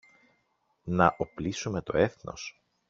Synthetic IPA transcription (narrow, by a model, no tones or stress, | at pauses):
nɐʔoplisume̞t̪o̞̰e̞θno̞̰s